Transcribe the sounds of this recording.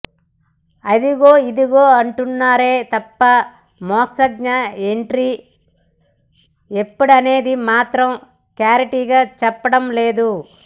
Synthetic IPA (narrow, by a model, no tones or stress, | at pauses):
ɐd̪iɡo̞ːid̪iɡo̞ːɐɳʈunːaːɾe̞ːt̪ɐpːɐ | mɔːksɐɡ̚ɲɐeɳʈɾi | epːuɽɐne̞ːd̪imaːt̪ɾɐm | klaːɾiʈiːɡaːt͡ʃɛpːɐɽɐmle̞ːd̪u